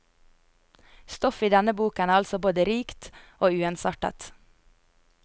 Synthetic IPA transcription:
st̪ɔfiːd̪ɛnəbuːkənæːɑlsɔboːd̪əɾiːkt̪ʔoːʉːɛnsɑʈə̰t̪

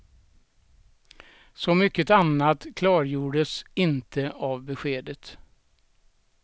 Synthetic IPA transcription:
sɔmʏkːət̪anːat̪kʰlɑːɾjuːɖəsɪnt̪ʰəavbɛɧeːd̪ət̪

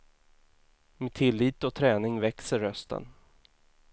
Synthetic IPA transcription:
meːt̪ʰɪlːiːt̪ɔt̪ʰɾɛːnɪŋvɛksəɾːœst̪ə̰n

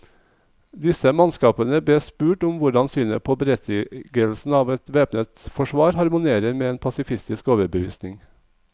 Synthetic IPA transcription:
d̪ɪsəmɑnskɑːpənəb̪eːspʉːʈʊmʋʊɖɑnsyːnəpʰoːbəɾɛt̪ʰːɡəl̩sn̩ɑːʋɛt̪ʋeːpnət̪fɔʃʋɑːɾhɑɾmʊneːɾəɾmeːeːnpʰɑsɪfɪst̪ɪskoːʋəɾbəʋḭːsnɪŋ

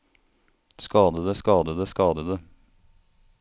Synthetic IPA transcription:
skɑːd̪əd̪əskɑːd̪əd̪əskɑːd̪əd̪ə

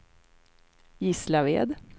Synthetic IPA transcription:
jɪslavḛːd̪

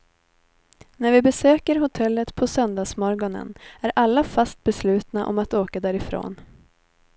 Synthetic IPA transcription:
næɾvɪbɛsøːkəɾɦʊt̪ʰɛlːət̪pʰɔsœnd̪ɑːsmɔɾɡɔnə̰næɾʔalːafast̪̚bɛslʉ̟ːt̪naʔɔ̰mat̪oːkad̪æːɾɪfɾo̰ːn

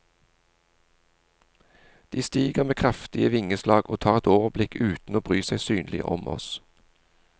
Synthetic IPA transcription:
d̪̥iːst̪iːɡəʁmeːkʰʁɑft̪ɪəʋɪŋəslɑːɡoːt̪ʰɑːʁɛt̪oːʋəblɪkʉːt̪n̩oːbʁyːsæɪsyːnlɪ̰ʔɔ̰mʔɔ̰s

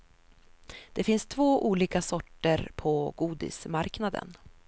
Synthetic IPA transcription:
d̪̥ɛfɪnst̪ʰvoːʔuːliːkasɔʈːəɾpʰɔɡuːd̪ɪ̰smaɾknad̪ə̰n

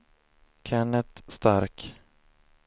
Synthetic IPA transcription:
kʰɛɳət̪st̪aɾk

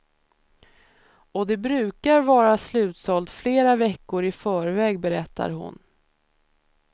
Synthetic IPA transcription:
ɔd̪ɛbɾʉ̟ːkaɾvɑːɾaslʉ̟ːt̪sɔlt̪fleːɾavɛkːʊɾɪfœːɾvɛːɡbɛɾɛt̪ʰːa̰ɾɦʊ̰n

